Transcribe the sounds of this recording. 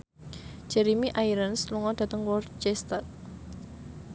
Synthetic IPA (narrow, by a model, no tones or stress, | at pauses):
d͡ʒ̥ɛɾimiʔaiɾənsluŋɔd̥ä̤t̪əŋwɔrt͡ʃɛst̪at̪̚